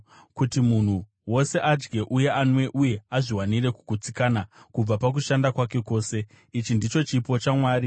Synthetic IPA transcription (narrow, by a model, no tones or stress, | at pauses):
kutimun̤u | wo̞se̞ʔad͡ʒɡe̞ʔuje̞anwe̞ʔuje̞aʐiwanire̞kuɡʱut͡sikaːnakub͡vapak̬uʃandakwake̞ko̞ːse̞ | it͡ʃindit͡ʃo̞t͡ʃipo̞t͡ʃamwaːri